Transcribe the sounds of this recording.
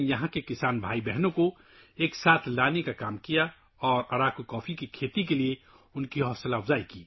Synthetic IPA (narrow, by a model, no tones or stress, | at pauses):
jɐɦãkekɪsaːnbʱaːibɛɦnõko | eːksaːt̪ʰlaːnekakaːmkija | ɔːɾɐɾakokɔːpʰikikʰeːt̪ikelie | ʊnkiɦɔːslabzaːikiː